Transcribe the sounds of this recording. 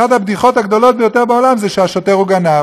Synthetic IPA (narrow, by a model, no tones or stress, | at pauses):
ad̪abd̪iχo̞t̪haɡd̪o̞lo̞t̪̚bejo̞t̪e̞ʁbaolamzɛʃeaʃot̪e̞ʁuɡana